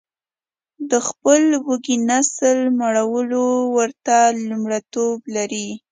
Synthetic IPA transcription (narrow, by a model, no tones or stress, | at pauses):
d̪əxpəlwəɡinasəlmaɽawəlowəɾt̪alumɽat̪oblaɾi